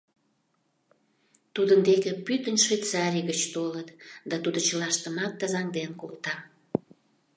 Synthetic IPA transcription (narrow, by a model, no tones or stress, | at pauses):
t̪ud̪ənd̪ekĕpyt̪ənʲʃvejt͡sɑɾʲijɣət͡ɕt̪olət̪d̪ɑt̪ud̪ot͡ɕəlɑʃt̪əmɑk̚t̪əzɑŋd̪enkolt̪ɑ